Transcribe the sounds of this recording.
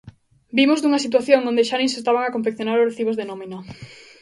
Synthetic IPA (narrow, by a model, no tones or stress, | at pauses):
bimozd̪uŋɐsit̪̬waθjoŋõnd̪eʃanẽnsest̪aβ̞aŋakõɱfekθjonaɾoreθiβozðenomino